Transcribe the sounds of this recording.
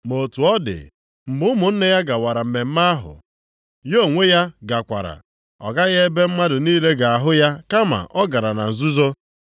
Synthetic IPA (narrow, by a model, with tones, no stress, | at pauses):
mo˨tu˨ɔ˦dɪ̰˨ | m̩˨bʊ˦mʊ˨n̩˦ne˦ja˦ɡa˨wa˨ɾa˨m̩˨me˨m̩˦ma˦a˦ɦʊ̰˨ | jo˦˨ŋʷe˦ja˦ɡa˨kʷa̰˨ɾa̰˨ | ɔ̰˨ɡa˦ɣe˦e˦be˦m̩˦ma˦dʊ˨niː˦le˦ɡa˨a˨ɦʊ˦ja˦ka˦ma̰˨ʔɔ˦ɡa˨ɾa˨na̰˨n̩˨zu˦zo˦